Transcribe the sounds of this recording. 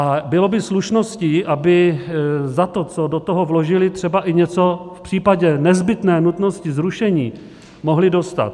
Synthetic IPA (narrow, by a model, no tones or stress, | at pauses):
ʔabɪlo̞bɪsluʃno̞sciːʔabɪ | zat̪o̞t͡so̞dot̪oɦo̞vlo̞ʒɪlɪt̪r̥ɛbaʔɪɲɛt͡so̞fpr̥iːpaɟɛnɛzbɪt̪nɛːnut̪no̞scɪzɾuʃɛɲiː | mo̞ɦlɪdo̞st̪a̰t̪